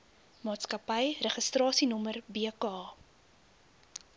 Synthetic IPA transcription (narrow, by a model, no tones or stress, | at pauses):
mɑːtskɐpəjrəχəstrɑːsinɔmərbeəkɑː